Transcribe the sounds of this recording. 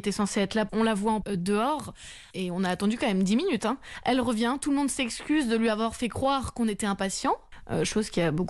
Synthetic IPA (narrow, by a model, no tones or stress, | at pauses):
t̪ɛsɑ̃seɛt̪χlaɔ̃lavwaɑ̃d̪əɔʁ | eɔ̃naːt̪ɑ̃d̪ykɑ̃mɛmd̪iminyt̪ɛ̃ʔɛlʁəvjɛ̃t̪ulmɔ̃d̪sɛkskʲyzd̪əlɥiavwaʁfɛkχwaʁkɔ̃net̪ɛɛ̃pasjɑ̃ø̰ʃozkʲiabok